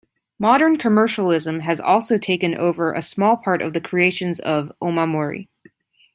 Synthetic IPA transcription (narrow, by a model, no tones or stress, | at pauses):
mɑɾə̃˞nkʰɨmɜ˞ʃl̩ˠɪzɨ̃mɨzɔ̰lˠsoʊtʰeɪkɨ̃nʔo̰ʊvə˞ʔɨ̰smɔlˠpʰɑɹɾʌ̰vðɨkʰɹ̥ieɪʃɨ̃nzʌvʔõʊmamɔɹḭ